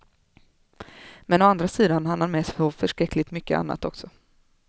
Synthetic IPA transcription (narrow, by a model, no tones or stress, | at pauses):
mɛnɔand̪ɾasiːd̪anhanːaɾmɛːssɔfœʂkɾɛkːlɪt̪mʏkːə̰ʔa̰nːa̰t̪ɔksɔ